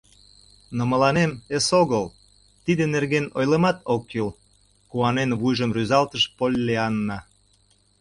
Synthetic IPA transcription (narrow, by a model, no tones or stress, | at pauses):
nomə̆lɑnemesoɣəl | t̪id̪enerɣenojlemɑt̪okːil | kuɑnenβujʒəmryzɑlt̪əʃpolʲːeɑnːɑ